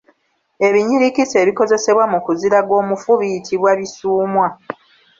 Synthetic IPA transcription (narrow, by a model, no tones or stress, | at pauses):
e̞βiɲiɾikise̞ːβiko̞ze̞se̞βwamukuziɾaɡo̞ːmufuβijitʰiβwaβisuːmwa